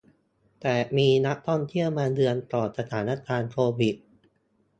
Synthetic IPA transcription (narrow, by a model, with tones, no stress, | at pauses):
t̪ɛː˨˩miː˧na˦˥ʔt̪ʰɔ˥˩nt̪ʰi˥˩əwmaː˧dɯ˧ənp̪ɔː˨˩t̪̚sa˧t̪ʰaː˩˦na˦˥kʰaː˧nkʰoː˧wi˨˩t̪̚